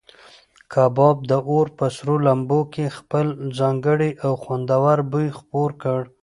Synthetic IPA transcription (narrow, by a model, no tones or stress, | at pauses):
kʰɑbɑb̚d̪əʔoɾpəsɾolambokexpəlzɑŋɡəɽiʔawxwand̪awaɾbujxpoɾkəɽ